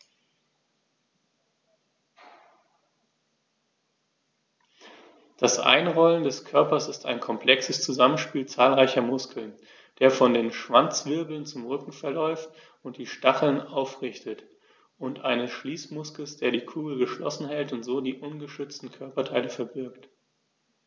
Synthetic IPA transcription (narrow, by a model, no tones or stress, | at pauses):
d̥asʔa̰ɪnʁɔləndɛskʰœɐpɐsɪstʰa̰ɪnkʰɔmpl̥ɛksəst͡suzamənʃpiːlt͡saːlʁaɪçɐmʊskʰl̩n | d̥eːɐfɔndeːnʃv̥ant͡sv̥ɪɐbl̩nt͡sʊmʁʏkŋ̩fɛɐlɔʏft | ʊnt̚d̥iːʃtaχl̩naʊfʁɪçtət | ʔʊntʔaɪnəsʃliːsmʊskl̩sd̥eːɐdiːkʰuːɡl̩ɡəʃlɔ̰sn̩hɛltʊntz̥oːdiːʔʊnɡəʃʏt͡stn̩kʰœɐpɐtʰaɪləfɛɐbɪɐkt